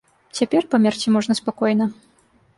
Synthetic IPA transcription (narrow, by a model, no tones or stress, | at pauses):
t͡sʲapʲɛrpɐmʲart͡sʲimɔʐnɐspakɔjnɐ